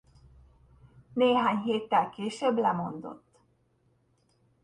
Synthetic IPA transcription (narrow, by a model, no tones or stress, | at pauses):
neːɦaːɲɦeːt̪ːɛlkeːʃøblɛmo̞nd̪o̞̰t̪ː